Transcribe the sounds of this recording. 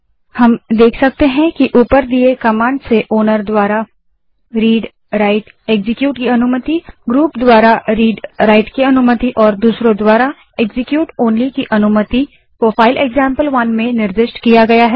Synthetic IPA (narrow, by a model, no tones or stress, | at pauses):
hɐmd̪eːkʰsɐk̚t̪eɦɛ̃kiʔuːpəɾd̪iekɐmãːɳɖseʔoːnəɾd̪waːɾa | ɾiːɖ | ɾaɪʈ | eːɡzɪkjuːʈkiɐnʊmət̪iɡɾuːpd̪waːɾaɾiːɖɾaːɪʈkiɐnʊmət̪iʔɔːɾd̪uːsɾõd̪waːɾa | eɡzɪkjuːʈoːnlikiʔɐnʊmət̪i | pɾoːpʰaːɪleːɡzãːmpəlʋɐnmẽnɪɾd̪ɪʃʈkijaɡɐjaɦɛː